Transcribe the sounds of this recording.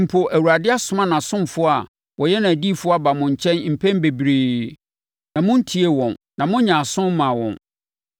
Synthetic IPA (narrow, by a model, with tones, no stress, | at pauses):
m̩˨pʰo˨ʔæ˨wu˨ɾa˨dɪ˦a˦sʊ˨˦mã˦nã˨sʊ̃˦mfʊ˦a˨ | wʔɔ˨jɛ˦nã˨æ˨diː˦fʊ˦a˨ba˨mʊ̃˨ɲ̩˨t͡ɕʰɛ̃˦n˦m̩˨pʰɛ̃˦m˦be˨bɾeː˨ | nã˨mʊ̃˦n̩˦tʰi˨e˦wɔ̃˨nnã˨mʊ̃˦ɲã˨sʊ̃˦m˦mã˨wɔ̰̃˨n